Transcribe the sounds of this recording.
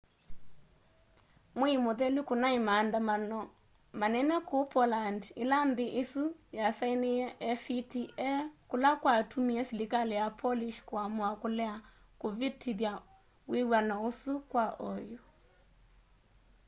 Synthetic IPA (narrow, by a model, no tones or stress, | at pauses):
moimoðɛlikonaimandaa | manɛnɛkopɔlandɪlandɪʔɪsujasaineɛʔɛsitiʔɛkʊlakwatʰumiɛsilikalɛjapʰɔliʃkwamwakʊlɛakovitʰiðja | wewanaosukwaʔɔjo